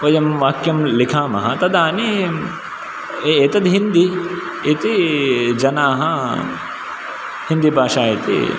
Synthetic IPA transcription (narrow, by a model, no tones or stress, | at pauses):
ʋɐjɐmʋaːkjɐmlikʰaːmɐ̰ɦɐ̰t̪ɐd̪aːni | eːt̪ɐd̪ɦind̪i | it̪id͡ʒɐnaːɦɐ | hind̪ibʱaːʂaːit̪ḭ